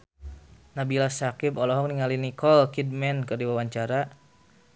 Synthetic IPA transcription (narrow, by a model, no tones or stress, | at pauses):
nabilasakibɔlɔɦɔŋniŋalinikɔlkid̚mɛnkərdiwawaɲt͡ʃaɾa